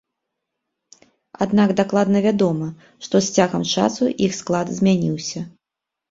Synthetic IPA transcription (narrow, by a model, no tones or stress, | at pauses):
a̰d̪naɡd̪aklˠad̪nɐvʲad̪ɔmɐ | ʂt̪ɔsʲt͡sʲaɣɐmt͡ʂa̰suʔixsklˠad̪zʲmʲanʲiwsʲɐ